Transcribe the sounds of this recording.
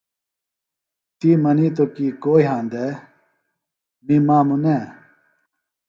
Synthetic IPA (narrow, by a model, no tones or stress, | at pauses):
t̪iːmɐniːt̪̬okikoːiɦãːnd̪e | mimãːmuneː